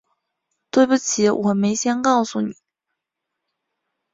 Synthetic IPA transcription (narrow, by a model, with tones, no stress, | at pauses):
t̪we˥˩ɪpu˧˩t͡ɕʰi˨˧˥wʔɔ˨˩me˧˥ɪɕjɛ˥nkɑ˥˩ʊsu˨˩ni˨˩˦